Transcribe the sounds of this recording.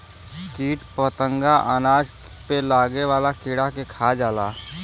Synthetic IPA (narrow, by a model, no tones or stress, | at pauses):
kiːʈpɔt̪ə̃ŋɡaʔənaːd͡ʒ | pelaːɡeʋaːlakɪːɽakekʰaːd͡ʒaːlaː